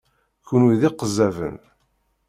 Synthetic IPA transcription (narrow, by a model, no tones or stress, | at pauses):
kuniðiqəzːævə̰n